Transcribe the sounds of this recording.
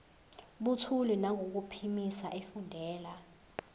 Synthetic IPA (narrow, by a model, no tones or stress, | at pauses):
ɓutʰulinaŋɡʱok̬upʰimisaʔefundʱɛːla